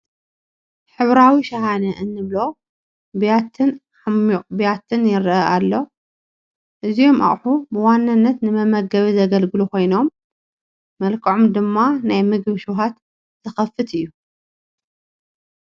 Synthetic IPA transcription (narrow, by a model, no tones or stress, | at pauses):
ħɨβɾawiʃɐhanɐʔɨnːɨβlo̞ | bjat̪ʰɨn | abjat̪ʰɨnjɪɾʔɐʔalːo̞ | ʔɨzijo̞ma̰ʔʼħubɨwanːanːɐt̪nɨmɐmɐɡɐβizɐɡɐlɡɨluko̞jno̞mː | ɐlkʰɐʕomd̪ɨmːanajmɨɡβɨʃuwɦat̪ | zʰɐxɐfɨt̪ɨjːu